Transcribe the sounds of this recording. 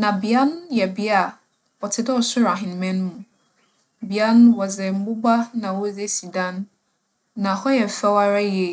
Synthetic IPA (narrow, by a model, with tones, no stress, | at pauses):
nã˨bɪ˨a˦n˦jɛ˨bi˦a˦˨ | ɔ˨tʰɪ˨dɔ˦ɔ˨sʊ˦ɾa˨ɦɪ̃˨n˨mɛ̃˦ñ˦mũ˨ | bi˨a˦n˦wɔ˨d͡zɛ˨m̩˦bʊ˦ba˦nã˨wɔ˦d͡ze˦si˨dã˦nː | ã˨hɔ˦jɛ˨fɛ˦wa˦ɾa˦je˨